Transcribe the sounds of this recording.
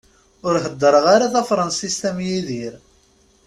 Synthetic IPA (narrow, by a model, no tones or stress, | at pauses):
ʊɾɦəd̪ːəɾəʁaɾaθæfɾˤɑnsist̪æmjiðiɾ